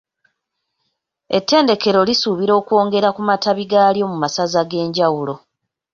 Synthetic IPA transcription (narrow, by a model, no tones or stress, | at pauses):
e̞tʰːe̞ːnde̞ke̞ɾo̞lisuβiɾo̞ːkwo̞ːŋɡe̞ɾakumataβiɡaːljo̞mumasazaɡe̞ːɲɟawulo̞